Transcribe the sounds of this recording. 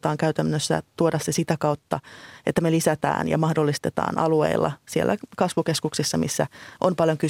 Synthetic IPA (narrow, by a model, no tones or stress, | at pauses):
t̪ɑːŋkæyt̪ænːøsːæ̰t̪uodɑssesit̪ækɑwt̪ːɑʔet̪ːæmelisæt̪æ̰ːnjɑ̰mɑhdolːist̪et̪ɑ̰ːnʔɑluḛilːɑ̰sielːækɑsʋukeskuksisːɑmisːæʔompɑljoŋky